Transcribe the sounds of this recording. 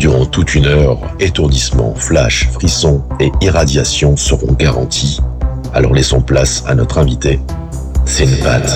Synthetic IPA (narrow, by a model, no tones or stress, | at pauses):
d̪yʁɑ̃t̪ut̪ynœʁ | et̪uʁd̪ismɑ̰̃flaʃfχisɔ̃eiʁad̪jasjɔ̃səʁɔ̰̃ɡaʁɑ̃t̪ʰi | alɔ̰ʁlɛsɔ̃plasa̰nɔt̪χɛ̃vit̪e | sɛynpat̪